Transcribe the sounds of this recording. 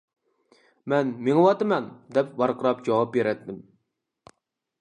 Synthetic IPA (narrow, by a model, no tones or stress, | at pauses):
mɛnmeŋɨwɑt̪ɨmɛnd̪ɛpbɑɾqəɾɑp̚d͡ʒɑwɑp̚beɾɛt̪ːɪm